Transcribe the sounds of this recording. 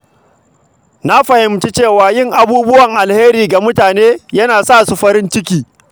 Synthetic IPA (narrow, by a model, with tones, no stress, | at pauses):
na˦ɸɐ˨hɪ˨mt͡ʃi˦t͡ʃeː˦˨waː˨jɪ˦ŋʔa˦buː˦bʊ˦wɐ˨ŋʔa˨lheː˦ɾiː˨ɡa˨mʊ˦taː˨neː˦jɐ˦naː˨sa˦˨su˨ɸɐ˦ɾɪ˦nt͡ʃɪ˦kʲiː˨